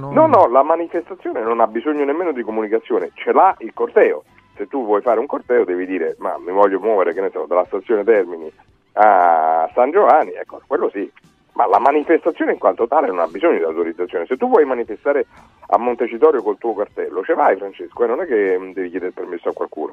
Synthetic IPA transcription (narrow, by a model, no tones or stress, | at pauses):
nɔnːɔlamanifest̪at̪sːjoːnenonabːizoɲːonemːeːnod̪ikomunikat̪sːjoːnet͡ʃelailkort̪ɛːo̰ | set̪ːuvːwɔjfaːɾeuŋkort̪ɛːod̪ɛːvid̪iːɾema̰mivɔʎːomwɔːveɾekenːesɔ̰d̪alast̪at̪sːjoːnet̪ɛrmini | asand͡ʒovanːiɛ̰kːo̰kwelːosi | mʔa̰lamanifest̪at̪sjoːneiŋkwant̪ot̪aːlenona̰bizoɲːod̪iawt̪oɾid̪zːat̪sjoːneset̪ːuvwɔjmanifest̪aːɾe | a̰mːont̪et͡ʃit̪ɔːɾjokolt̪uːokart̪ɛlːot͡ʃevajfɾant͡ʃeskoɛnonɛkːed̪ɛːvikjɛːd̪eɾepermesːoakːwa̰lkṵːno̰